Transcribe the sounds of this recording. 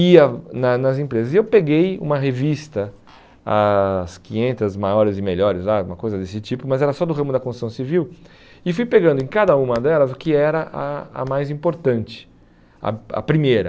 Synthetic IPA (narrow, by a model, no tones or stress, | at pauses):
iɐnɐnɐzẽpɾezɐzɪewpeɡejṵ̃mɐɦevist̪ɐ | ɐskĩɲẽnt̪ɐzmajɔɾɪzɪmeʎɔɾɪzlaũmɐkojzɐd̪esɪt͡ʃipʊmɐzɛɾɐsɔd̪ʊɦɐ̃mʊd̪ɐkõst̪sɐ̃w̃siviw | ɪfujpeɡɐ̃nd̪ʊẽkad̪ɐũmɐd̪ɛlɐzʊkɪɛɾɐʔɐɐ̰majzĩpoɾt̪ɐ̃nt͡ʃɪ̥ | ɐ̰ɐ̰pɾimejɾɐ